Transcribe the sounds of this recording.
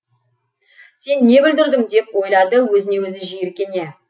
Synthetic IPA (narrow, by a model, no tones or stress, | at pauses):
se̞nːe̞bɪld̪ɪɾd̪ɪŋd̪e̞pwo̞jlˠɑd̪əwɵzɪne̞wɵzɪʒijeɾkʲe̞ne̞